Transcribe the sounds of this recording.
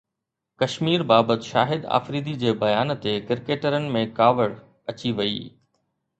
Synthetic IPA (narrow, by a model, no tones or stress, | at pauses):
kɐʃmiːɾbaːbət̪ʃa̰ːɦɪd̪a̰ːfɾiːd̪id͡ʑeːbɐjaːnt̪ekɪɾkeːʈəɾənɪ̆mẽkaːʋəɽ | ɐt͡ɕiʋɐḭː